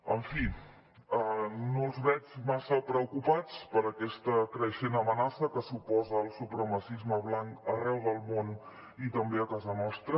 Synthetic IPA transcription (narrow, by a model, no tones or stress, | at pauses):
əɱfi | ənolˠzβɛt͡ʃmasəpɾəukupat͡spəɾəkɛst̪əkɾəʃenəmənasəkəsupɔzəːlˠsupɾəməsizməβlaŋkərɛwðəlˠmon | it̪əmbeəkazənɔst̪ɾə